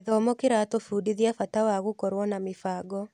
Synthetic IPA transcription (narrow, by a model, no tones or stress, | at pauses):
ðɔmɔkɪɾatofuːdiðiafatawaɣukɔɾwɔnamefaːɡɔ